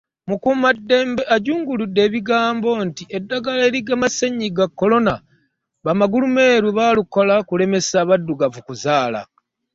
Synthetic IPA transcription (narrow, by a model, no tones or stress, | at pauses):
mukumadːe̞ːmbe̞ʔaɟuːŋɡuludːe̞ːβiɡaːmbo̞ntiʔe̞dːaɡaleːɾiɡamaseɲːiɡakːo̞lo̞na | βamaɡulume̞ːɾuβaːluko̞lakule̞me̞saβadːuɡavukuzaːla̰